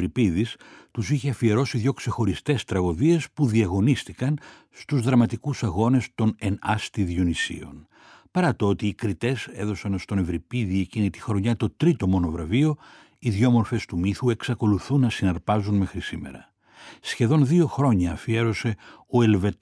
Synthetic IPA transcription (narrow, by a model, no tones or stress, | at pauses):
ɾipiðist̪usiçeɐfie̞ɾo̞siðʝo̞kse̞xo̞ɾist̪e̞st̪ɾɐɣo̞ðie̞spuðiɐɣo̞nist̪ikɐn | st̪uzðɾɐmɐt̪ikusɐɣo̞ne̞st̪o̞ne̞nɐ̰st̪iðjio̞nisḭo̞̰n | pɐɾɐt̪oot̪iːkɾit̪e̞se̞̰ðo̞sɐnst̪o̞ne̞vɾipiðiecinit̪i̥xɾo̞ɲɐt̪o̞t̪ɾit̪o̞mo̞no̞vɾɐvio̞ | iðʝo̞mo̞ɾfe̞st̪umiθue̞ksɐko̞luθunːɐsinɐɾpɐzunme̞xɾisime̞̰ɾɐ̰ | sçe̞ðo̞nðio̞xɾo̞ɲɐːfieɾo̞se̞o̞e̞lve̞t̪